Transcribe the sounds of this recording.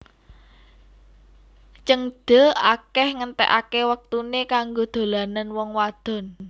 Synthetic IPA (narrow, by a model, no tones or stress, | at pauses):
t͡ʃəŋd̪̥ə̤akɛhŋənt̪ɛ̰ʔa̰kewək̚t̪unekaŋɡod̪̥o̤lananwɔŋwad̪̥ɔ̤n